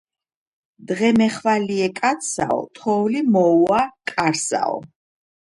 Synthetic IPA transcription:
d̪ʁɛmɛχvaliɛkʼat̪sʰa̰ɔ̰t̪ʰɔvlimɔuakʼaɾsa̰ɔ̰

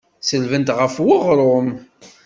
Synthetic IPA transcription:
səlvənt̪ʁəfwəʁɾˤom

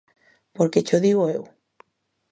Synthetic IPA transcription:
poɾket͡ʃoðiɣ̞oew

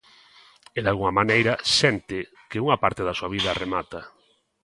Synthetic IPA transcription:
eðalɣuŋamanejɾasent̪ɪ | keuŋapaɾt̪eðasuaβ̞iðaremat̪a

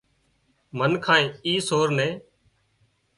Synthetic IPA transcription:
mənkʰãːẽːiːsoːɾnẽː

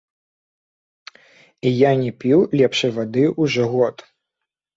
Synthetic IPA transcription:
ijanʲɛpʲiwlʲɛpʂɐjvad̪ɨʔuʐɔɣɔt̪

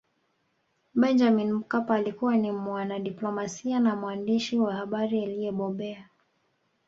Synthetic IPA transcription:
ɓɛnd͡ʒaminm̩kapaːlikuwanimwanaɗiplɔmasianamwandiʃiwahaɓaɾialijɛɓɔɓɛa

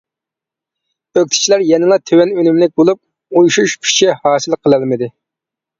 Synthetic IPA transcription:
øk̚ʲt̪ʰɪ̥t͡ʃʰilæɾjɛnɨlˠɑt̪ʰøwɛnønymlɪk̚ʲbolˠup̚ | ujuʃuʃpʰi̥ʃihɑːsɨlˠqʰəlˠɨlˠmɨd̪ɪ

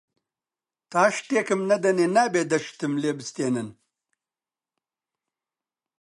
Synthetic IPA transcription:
t̪aːʂt̪eːkɐmnɐd̪ɐnenaːbed̪ɐʂt̪ɨmleːbist̪eːnɐn

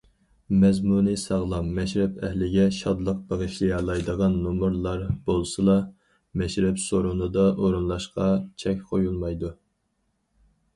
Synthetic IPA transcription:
mɛzmunɨsɑʁlˠɑmːɛʃɾɛpʰɛhlɪɡʲɛʃɑd̪lˠəq̚beʁɨʃlijɑlˠɑjd̪əʁɑnːumuɾlˠɑɾb̥olˠsɨlˠɑ | mɛʃɾɛpsoɾunɨd̪ɑʔoɾunlˠɑʃqɑt͡ʃʰɛkʲqʰojulˠmɑjd̪u

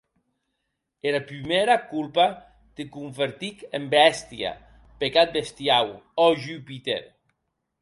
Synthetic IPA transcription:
eɾapɾimeɾakulpa | d̪̥ekuɱfeɾt̪ikembɛst̪ja̰ | pekat̪̚best̪jawɔʒypit̪ḛɾ

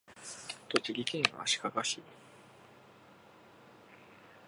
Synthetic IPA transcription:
t̪ot͡ɕiɾʲikẽɰ̃βa̰ɕi̥kakaɕi

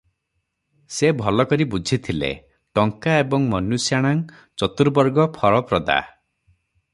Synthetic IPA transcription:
sebʱɔlɔkɔɾibud͡ʒʱit̪ʰilḛ | ʈɔŋkaebɔŋmɔnusjaɽ̃aŋ | t͡ʃɔt̪uɾbɔɾɡɔpʰɔɾɔpɾɔd̪a̰

